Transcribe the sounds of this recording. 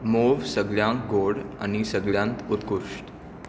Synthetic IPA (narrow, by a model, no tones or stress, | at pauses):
moʋsəɡɭjãkɡoɽa̰ñisəɡɭjãnt̪ut̪kuɾʂʈ